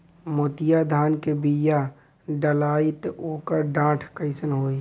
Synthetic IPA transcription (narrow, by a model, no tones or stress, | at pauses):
moːt̪ɪjad̪ʱaːnkebija | ɖəlaːɪt̪oːkəɾɖãːʈʰkəɪsənɦoːi